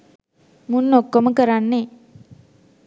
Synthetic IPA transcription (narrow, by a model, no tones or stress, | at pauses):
munːokːoməkəɾanːe